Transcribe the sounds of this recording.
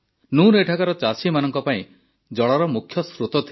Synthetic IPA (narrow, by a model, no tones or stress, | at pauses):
nuneʈʰakaɾɔt͡ʃasimanɔŋkɔpaĩ | d͡ʒɔɭaɾɔmukʰːjɔsɾut̪ɔt̪ʰi